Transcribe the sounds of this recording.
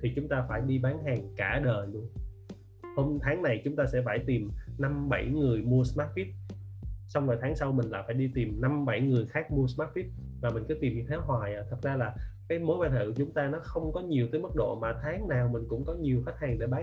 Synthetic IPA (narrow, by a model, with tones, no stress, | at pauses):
t̪ʰi˨˩t͡ɕʊ˨˦ŋ͡mt̪aː˧faː˧˩jɗi˧ɓaː˨˦nɦaː˨˩ŋkaː˧˩ɗəː˨˩jɗu˧ə | ho˧mt̪ʰaː˨˦ŋna˨˩jt͡ɕʊ˨˦ŋ͡mt̪aː˧sɛ̰˧˥faː˧˩jt̪i˨˩mna˧mɓa˧˩jŋɨ˨˩əjmu˧əsmaː˦˥t̚fi˦˥t̚ | sa˧wŋ͡mnɔː˨˩t̪ʰaː˨˦ŋsa˧wmï˨˩ŋ̟la̰ː˧˥jfaː˧˩jɗi˧t̪i˨˩mna˧mɓa˧˩jŋɨ˨˩əjxaː˦˥k̚mu˧əsmaː˦˥t̚fi˦˥t̚ | maː˨˩mï˨˩ŋ̟kɨ˨˦t̪i˨˩mi˨˩t̪ʰaː˨˦wɦwaː˨˩jʔaː˨˩t̪ʰə˨˩zaː˧laː˨˩kaː˨˦jmo˨˦jɓaː˧nhɨ̰˧˩t͡ɕʊ˨˦ŋ͡mt̪aː˧nɔ˨˦xə˧wŋ͡mkɔ˨˦ɲi˨˩əwt̪əː˨˦jmə˦˥t̚ɗo̰˧˨maː˨˩t̪ʰaː˨˦ŋnaː˨˩wmï˨˩ŋ̟kʊ̰˧˥ŋ͡mkɔ˨˦ɲi˨˩əwxa˦˥t̚haː˨˩ŋɗe˧˩ɓaː˨˦